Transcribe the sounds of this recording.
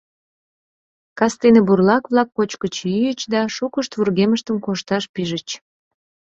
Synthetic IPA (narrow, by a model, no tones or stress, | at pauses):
kɑst̪eneburlɑkβlɑkːot͡ɕkət͡ɕyjət͡ɕd̪ɑʃukəʃt̪βurɣeməʃt̪əmkoʃt̪ɑʃpiʒət͡ɕ